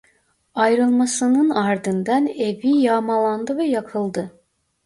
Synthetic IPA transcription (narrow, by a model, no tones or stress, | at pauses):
ajɾɯlˠmasɯnɯnaɾd̪ɯnd̪anevijaːmalˠand̪ɯvɛjakʰɯlˠd̪ɯ